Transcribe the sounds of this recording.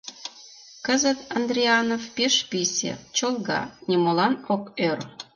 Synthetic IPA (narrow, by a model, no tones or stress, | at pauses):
kəzət̪ɑnd̪ɾʲiɑnofpeʃpisʲḛt͡ɕolˠɣɑ̰nʲemolɑnokør